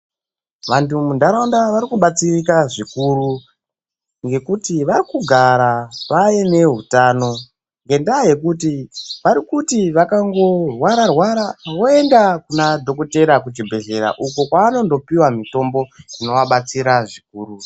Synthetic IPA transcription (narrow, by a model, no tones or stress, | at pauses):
ʋantumundaɾandaʋaɾikuɓat͡sirikaʐikuɾu | ŋɡe̞kutiʋaɾikuɡʱaɾaʋajene̞ɦutaːno̞ | ŋɡe̞ndaje̞kutiʋaɾikutiʋakaŋɡo̞rwaɾarwaɾaʋoe̞ndakunadʱo̞ko̞te̞ɾak̬ut͡ʃibʱe̞ɮeɾa̰ʔukokwaːno̞ndo̞piwamito̞mbo̞ino̞waɓat͡siɾaʐik̚uːɾu